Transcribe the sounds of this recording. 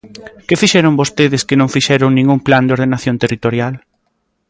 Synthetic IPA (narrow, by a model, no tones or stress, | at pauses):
kɪfiʃɛɾoŋbost̪eðɪskɪnõŋfiʃɛɾoŋnĩŋɡuŋpland̪eoɾð̞enaθjõnt̪erit̪oɾjal